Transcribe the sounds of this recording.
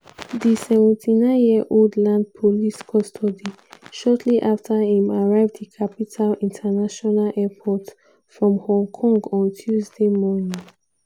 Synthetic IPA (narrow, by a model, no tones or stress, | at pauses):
ðisɛvɛ̃ntʰinãɪ̃njiəʔoldlãnd̚pʰɔliskʰɔstʰɔdi | ʃɔtʰliʔaftʰəhĩmaɹaɪvdðikʰapitʰalĩntʰənaʃɔnalʔɛpʰɔt | fɹɔ̃mhɔ̃ŋkʰɔ̃ŋɡɔ̃ntʰjuzdemɔnĩŋ